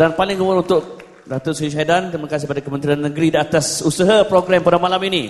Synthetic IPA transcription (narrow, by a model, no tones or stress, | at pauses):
danpalɪŋɡəmʊnunt̪ʊk̚ | dat̪ʊʔsuiʃadant̪ɾimə̃kas̬ɪhpadakəmənt̪ɾianːəɡɾidiat̪asusəɦapɾoɡɾɛmpadamalamini